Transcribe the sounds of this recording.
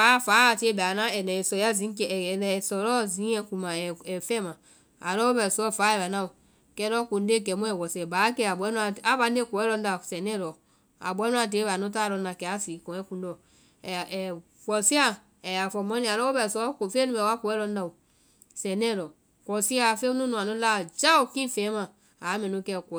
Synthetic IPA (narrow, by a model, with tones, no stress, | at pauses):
a˨˦fa˨˦˨ti˦e˦bɛ˨a˨nã˦ɛ˨nɛ˨sɔ˨ja˦zĩ˨˦kɛ˨lɛ˨sɔ˨ɾɔ˦zĩ˨˦ɛ̃˨ku˨mã˨ɛ˨ɛ˨fɛ˦mã˨ | a˨lɔ˦wo˦bɛ˨sɔ˦˨fa˨˦ɛ˨βa˨na˦u˨ | kɛ˦ɾɔ˦ku˨nde˦˨kɛ˨mũ˦ɛ˨wɔ˨sɛ˨ba˨˦kɛ˦˨a˨bɛ˦nu˦a˨a˦ba˨˦n˦e˦ku˨ɛ˦lɔ˦n̩˦da˨sɛ˨nɛ˦ɾɔ˨ | a̰˨bɔ˨˦nũ˦a˨d̬eː˨˦βa˨nũ˦ta˦˨lɔ˧˦nã˨kɛ˧˦a˨siː˨˦kɔ̃˨ɛ̃˦kũ˨ndɔ˨ | wɔ˨si˦a˦˨ | ɛ˨a˨fɔ˨mɔ̃˦nĩ˨a˨lɔ˦o˦bɛ˧˨sɔ˦kfe˦nũ˦bɛ˨wa˦ku˨ɛ˦lɔ˧˦n˦ã˨u˨ | sɛ̃˨nɛ̃˦˨lɔ˨ | kɔ˨si˦a˧˨fe˦u˦nũ˦nũ˨a˨nũ˦laː˦˨d͡ʒa˦u˨kĩ˦fɛ̃ː˨˦mã˨ | a˨˦mɛ̃˨nũ˦kɛ˧kɔ˨